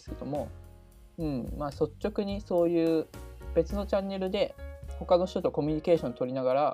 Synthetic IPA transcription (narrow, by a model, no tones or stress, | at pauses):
sɨ̥ked̪o̞mo̞ | ɯ̟̃ɴmaːso̞t͡ɕːo̞kɯ̟ɲ̟iso̞ːjɯ̟ːb̥e̞t͡sɨno̞t͡ɕãnːe̞ɾɯ̟d̪e̞ho̞kano̞ɕt̪ot̪o̞ko̞mʲiɲ̟ike̞ːɕõ̞nt̪o̞ɾʲinaɡaɾa